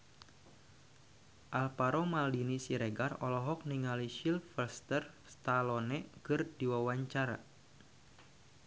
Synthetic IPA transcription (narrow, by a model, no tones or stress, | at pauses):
ʔalpaɾɔmaldinisiɾɛɡarɔlɔɦɔk̚niŋaliʃilfəlst̪ər | st̪alɔnɛkɨrdiwawaɲt͡ʃaɾa̰